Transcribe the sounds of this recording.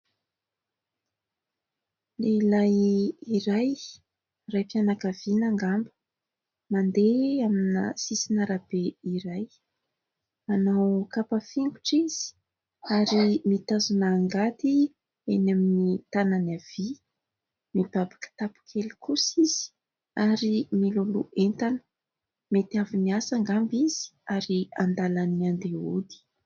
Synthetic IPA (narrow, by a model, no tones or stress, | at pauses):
leilajiɾaj | rajpjanakavinaŋɡambə̥ | mand̪eaminə̰sisinaɾab̥eiɾaj | anawkapafiŋɡuʈ͡ʂiz̥i̥ | aɾimit̪azunaːŋɡat̪i | enaminit̪ananav̥i | mib̥abḁkə̥t̪apu̥kʰelikʰusiz̥i̥ | aɾimiluluent̪anə̥ | met̪aviniasaŋɡambiz̥i̥aɾiand̪alanand̪eud̪i̥